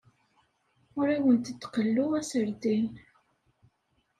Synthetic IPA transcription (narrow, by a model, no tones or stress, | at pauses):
ʊɾiwənt̪ət̪ːqəlːuæsəɾd̪in